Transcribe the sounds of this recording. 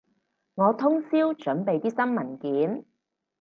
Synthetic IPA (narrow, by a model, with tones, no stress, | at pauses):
ŋɔː˨˧t̪ʰʊ˥ŋsiː˥wt͡ʃɵ˨˥npe˨jt̪iː˥sɐ˥nmɐ˨˩nkiː˨˥n